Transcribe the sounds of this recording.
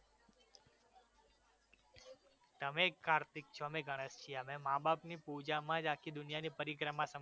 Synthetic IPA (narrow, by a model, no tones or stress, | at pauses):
t̪əmekːaɾt̪ik̚t͡ʃʰomẽɡʱəɽ̃əst͡ʃʰiəmẽmãbapnipud͡ʒamãd͡ʒakʰid̪ʊnijanipəɾikɾəmãsəm